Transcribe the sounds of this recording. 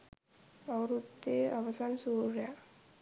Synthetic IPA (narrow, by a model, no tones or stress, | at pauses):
ɐɾut̪ːeɐʋɐsaːnsuːɾja